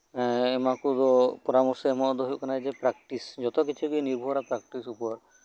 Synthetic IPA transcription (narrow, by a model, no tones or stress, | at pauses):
emakud̪ɔpɔɾamɔɾsɔemɔd̪ɔɦojkanajd͡ʒepɾak̚ʈisd͡ʒɔt̪ɔkit͡ʃʰuɡieniɾbʱuɦɾapɾak̚ʈisupɔɾ